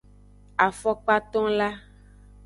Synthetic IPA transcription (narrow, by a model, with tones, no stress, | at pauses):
a˨fɔ˦k͡pa˦t̪ɔ̃˦la˦